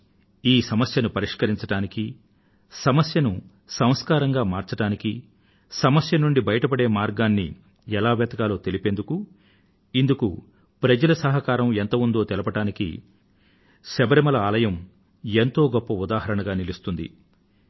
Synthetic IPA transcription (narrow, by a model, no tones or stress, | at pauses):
iːsɐmɐsjɐnupɐɾiʂkɐɾiɲt͡ʃɐʈaːniki | sɐmɐsjɐnu | sɐ̃w̃skaːɾɐŋɡaːmaːɾt͡ʃɐʈaːniki | sɐmɐsjɐnuɳɖibɐjɐʈɐpɐɽe̞ːmaːɾɡaːnːḭ | ɛlaːʋɛːt̪ɐkaːlo̞ːt̪elipe̞nd̪uku | ind̪uku | pɾɐd͡ʒɐlɐsɐɦɐkaːɾɐment̪ɐmund̪o̞ːt̪ɛlɐpɐʈaːnikḭ | ʃɛbɐɾɐmɐlɐaːlɐjɐm | ent̪o̞ːɡɔpːɐud̪aːɦɐɾɐɳɐɡaːnilist̪und̪ḭ